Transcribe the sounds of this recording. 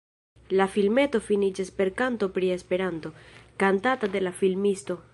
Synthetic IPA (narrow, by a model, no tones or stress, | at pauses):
lafilme̞to̞finid͡ʒaspe̞ɾkanto̞pɾie̞spe̞ɾanto̞kantatade̞lafilmisto̞